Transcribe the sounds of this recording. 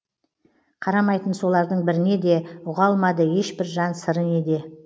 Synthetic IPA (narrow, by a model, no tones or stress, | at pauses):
qʰɑɾɑmɑjt̪ənso̞lˠɑɾd̪əɴbɪɾɪne̞d̪e̞ʊʁɑlˠmɑd̪əje̞ʃbɪɾʒɑnsəɾəne̞d̪e̞